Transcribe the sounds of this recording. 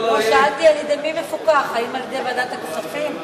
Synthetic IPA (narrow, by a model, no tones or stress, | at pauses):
eʃaalt̪ianid̪emivefukaχaimaled̪ebad̪at̪akoχafim